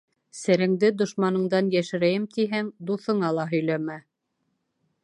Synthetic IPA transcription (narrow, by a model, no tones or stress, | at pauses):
sæɾɘ̆ŋd̪ɘd̪ŏʃmɑnɤ̆ɴd̪ɑnjæʃɘ̆ɾæjɘmt̪iɦæŋd̪uθɤ̆ɴɑlˠɑɦɵ̆jlæmæ